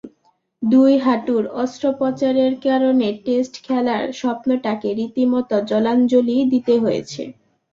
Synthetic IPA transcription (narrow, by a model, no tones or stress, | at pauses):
d̪ujɦaʈuɾɔst̪ɾopɔt͡ɕaɾeɾkaɾoneʈesʈkʰɛlaɾʃɔpnoʈakeɾit̪imɔt̪od͡ʑɔland͡ʑolid̪it̪eɦojḛt͡ɕʰḛ